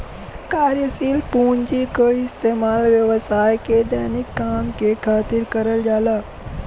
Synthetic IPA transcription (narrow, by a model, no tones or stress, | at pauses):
kaːɾjəsiːlpuːnd͡ʑikoɪst̪eːmaːlʋjɐʋəsaːjked̪ɛːnɪkːaːmkekʰaːt̪ɪɾkɐɾəld͡ʒaːlaː